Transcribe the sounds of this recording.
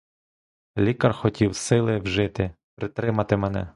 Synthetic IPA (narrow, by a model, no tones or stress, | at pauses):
lʲikɐrxɔtʲiwsɪlˠɪwʒɪt̪ɪ | pɾɪt̪ɾɪmɐt̪ɪmɛnɛ̰